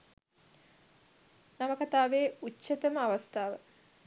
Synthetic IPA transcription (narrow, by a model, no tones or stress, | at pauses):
naməkat̪aːʋeːut͡ʃːət̪əməaʋast̪aːʋə